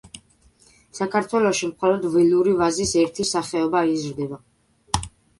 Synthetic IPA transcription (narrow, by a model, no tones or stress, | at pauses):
sakʰaɾt̪ʰwɛlɔʃimχɔlɔd̪vɛluɾivazisɛɾt̪ʰisaχɛɔbaizɾd̪ɛba